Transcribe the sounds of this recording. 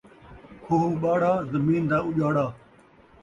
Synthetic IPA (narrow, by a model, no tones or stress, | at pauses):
kʰoːɦuːɓaːɽ̤aːzəmiːnd̪aːʊʄaːɽaː